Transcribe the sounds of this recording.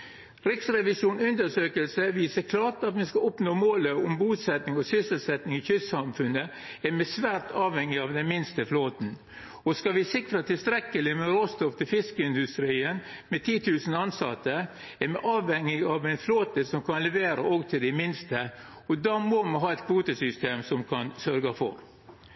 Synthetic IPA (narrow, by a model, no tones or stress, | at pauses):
ɾɪksɾɛʋɪʂuːnʉnd̪əʂøːkəlsəʋiːsəɾkʰlɑːʈɑt̪mɛskɑʊpnoːmoːləʊmbuːsɛt̪nɪŋɔsʏsəlsɛt̪nɪŋɪçʏsɑmfʉnə | ɛmɛsʋæːɾʈɑːʋhɛŋːɪɑʋd̪ɛnmɪnst̪əfloːt̪n̩ | ɔskɑʋɪsɪkɾɑt̪ʰɪlst̪ɾɛkːəlɪmɛɾoːst̪ɔft̪ʰɪlfɪskəɪnd̪ʉst̪ɾiːən | mɛt̪ʰiːt̪ʰʉːsn̩ɑnsɑt̪ːə | ɛɾmɛʔɑːʋhɛŋːɪɑʋæɪnfloːt̪əsɔmkʰɑnlɛʋeːɾɑ̰ʔoːɡt̪ʰɪld̪ɛmɪnst̪ə | ɔd̪ɑmɔmɑnɦɑːɛt̪kʰʋuːt̪əsʏst̪eːmsɔmkʰɑnsœɾɡɑfɔ̰ɾ